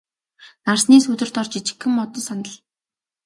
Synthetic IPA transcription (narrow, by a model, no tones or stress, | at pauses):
narsniːsɵt̪ɵ̆r̥t̪ɔrt͡ɕit͡ɕɪ̥̆kːɘ̆mɔt̪ɞ̆sanə̆ɮ